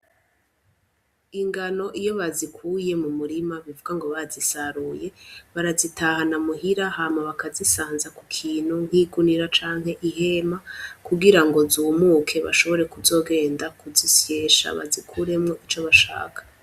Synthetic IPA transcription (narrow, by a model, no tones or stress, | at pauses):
iŋɡano̞ʔijo̞βazikʰuːje̞mumuɾimaβivuɡaŋɡo̞βazisaɾuːje̞βaɾazitahanamuɦiɾahamaβakazisaːnzakukʰiːn̥huŋ̥hiːɡuniɾat͡ʃaːŋ̥he̞ʔiɦe̞makuɡiɾaŋɡo̞zuːmukʰe̞βa̰ʃo̞βo̞ɾe̞kuzo̞ːɡe̞ːndakuzisje̞ʃa̰βa̰zikʰuɾe̞mŋo̞ʔit͡ʃo̞βaʃa̰ːkʰḁ